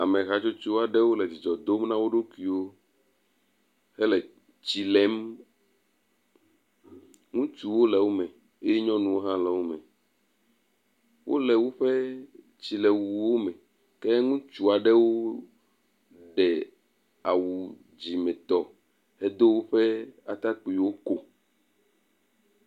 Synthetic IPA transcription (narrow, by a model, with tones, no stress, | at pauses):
a˨mɛ̃˨ɣa˨t͡ʃo˦t͡ʃu˦a˨ɖɛ˦wo˦lɛ˨d͡ʑi˨d͡ʒɔ˨d̪o˦mnã˦wo˦ɖo˦kui˦wo˦ | hɛ˦lɛ˨ | t͡ɕi˨lɛ˨˦m | ŋũ˦t͡ʃu˨wo˦lɛ˨wo˦mɛ̃˨ | e˦je˦ɲɔ̃˦nũ˨wo˦ɦã˦lɛ˨wo˦mɛ̃˨ | wʔo̰˦lɛ˨wo˦ɸɛ˦ | t͡ɕi˨lɛ˨wu˨wo˦mɛ̃˨ | kɛ˦ŋũ˦t͡ʃu˨a˨ɖɛ˦wo˦ | ɖɛ˨ | a˨wu˨ | d͡ʑi˨mɛ̃˨t̪ɔ˨ | hɛ˦d̪o˦wo˦ɸɛ˦a˨t̪a˦k͡pu˨i˨wo˦ko˨